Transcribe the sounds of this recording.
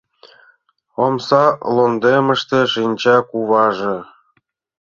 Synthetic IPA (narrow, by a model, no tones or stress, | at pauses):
omsɑlond̪eməʃt̪eʃinʲt͡ɕɑkuβɑʒĕ